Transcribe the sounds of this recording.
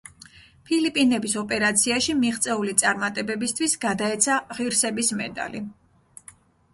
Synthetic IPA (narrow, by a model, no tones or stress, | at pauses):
pʰilipʼinɛbisɔpʼɛɾat̪sʰiaʃimiʁt̪sʼɛulit̪sʼaɾmat̪ʼɛbɛbist̪ʰwisɡad̪aɛt̪sʰaʁiɾsɛbismɛ̰d̪a̰li